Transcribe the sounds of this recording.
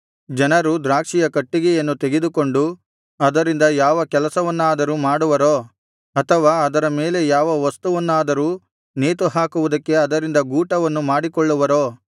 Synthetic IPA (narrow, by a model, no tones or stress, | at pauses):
d͡ʒɐnɐɾud̪ɾaːkʂijɐkɐʈːiɡɛjɐnːut̪e̞ɡed̪uko̞ɳɖu | ɐd̪ɐɾind̪ɐjaːʋɐkɛlɐsɐʋɐnːuaːd̪ɐɾumaːɽuʋɐɾoː | ɐt̪ʰɐʋaːɐd̪ɐɾɐmeːle̞jaːʋɐʋɐst̪uʋɐnːaːd̪ɐɾuː | neːt̪uɦaːkuʋud̪ɐkːe̞ɐd̪ɐɾind̪ɐɡuːʈɐʋɐnːumaːɽikɔɭːuʋɐɾoː